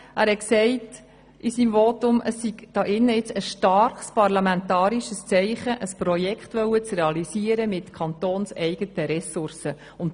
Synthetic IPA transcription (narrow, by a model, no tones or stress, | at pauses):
ʔæːɾhɛksɛɪt | ʔisiːmvotʊməsːiɡd̥ɑːʔɪnːəɪt͡səsʃtɑɾχspɑrlɑmɛntɑːɾiʃəst͡sɛɪχəʔəspɾɔjɛkχtʋœwət͡srɛɑlisiːəɾəmɪtkʰχɑnt̪oːnsɛɪɡ̥ətəɾɛsʊɾsə | ʊnt